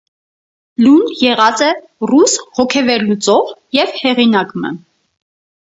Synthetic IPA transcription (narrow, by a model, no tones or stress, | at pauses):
lunjɛʁɑt͡sɛ | rushɔkʰɛvɛɾlut͡sɔvjɛvhɛʁinɑkmə̰